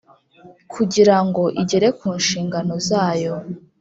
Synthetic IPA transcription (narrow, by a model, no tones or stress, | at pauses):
kʰuɟiɾaŋɡo̞ʔiɟe̞ɾe̞kuːnʃiːŋɡano̞zaːjo̞